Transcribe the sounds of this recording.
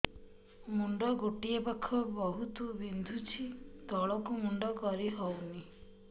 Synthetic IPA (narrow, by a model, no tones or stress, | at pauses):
muɳɖɔɡoʈiepakʰːɔbɔɦut̪ɔbind̪ʱut͡ʃʰid̪ɔɭɔkumuɳɖɔkɔɾiɦɔwni